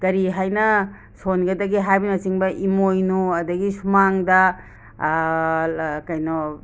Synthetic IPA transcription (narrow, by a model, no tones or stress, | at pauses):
kɐɾiɦajnɐ | sonɡɐdɐɡiɦajbinɐsiŋbɐʔimojnuɐdɐɡisumaŋdɐ | kɐjnɔ